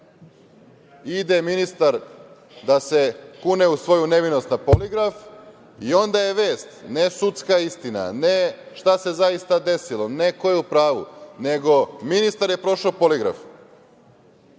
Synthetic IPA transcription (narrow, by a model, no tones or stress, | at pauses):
id̪eminist̪aɾ | d̪ase̞kune̞usʋo̞june̞ʋino̞st̪napoliɡɾaf | io̞nd̪ajeʋe̞ːst̪nesut̪skaist̪ina̰ne | ʃt̪ase̞zaist̪ad̪e̞silˠo̞ne̞ko̞jeupɾaːʋṵne̞ɡo̞minist̪aɾje̞pɾo̞ʃoːpoliɡɾa̰f